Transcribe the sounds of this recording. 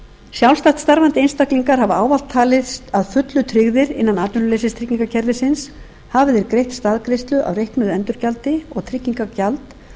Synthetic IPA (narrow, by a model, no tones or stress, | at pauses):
sjawlst̪aht̪st̪aɾvant̪ɪenst̪akliŋkaɾ̥ɦavʏaːwval̥t̪ʰːaːlɪst̪aðfʏt̪lʏt̪ʰɾɪɣðɪɾɪ̰nːanaːt̪ʏnʏlejsɪst̪ʰɾɪcːiŋkacʰɛɾðɪsɪns | haːvɪðɛɾkɾejht̪st̪aːðkɾɪst̪lʏʔa̰wrejhknʏðɛnt̪ʏɾcalt̪ɪɔ̰ɣt̪ʰɾɪcːiŋkacalt̪